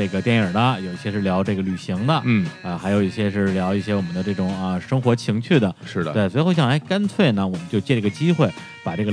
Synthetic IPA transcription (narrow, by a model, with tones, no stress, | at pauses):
e˥˩ɡə˩t̪jɛ˥˩nə˞˨˩lɐ˧jo˨˩ʊi˥˩ɕjɛ˥ʂɻ̩˥˩ljɑ˧˥ʊʈ͡ʂɤ˥˩ɡə˩ly˨˩ɕi˧˥ŋd̪ə˧˥˩ə˧xa˧˥ɪjo˨˩ʊi˥˩ɕjɛ˥ʂɻ̩˥˩ljɑ˧˥ʊi˥˩ɕjɛ˥wɔ˨˩mə˦nd̪ə˧ʈ͡ʂɤ˥˩ʈ͡ʂʊ˨˩˦ŋɐ˧ʂɤ˥ŋxwɔ˧˥t͡ɕʰi˧˥ŋt͡ɕʰy˥˩d̪ə˩ʂɻ̩˥˧˩we˥˩ɪswxo˥˧ɕjɑ˥˩ŋ˥˩ɪka˥nt͡sʰwe˥˩ɪnə˩wɔ˨˩mə˦nt͡ɕjo˥˧ʊt͡ɕjɛ˥˩˥ə˧t͡ɕi˥xwe˥˩ɪ | pa˨˩ʈ͡ʂɤ˥˩ɡə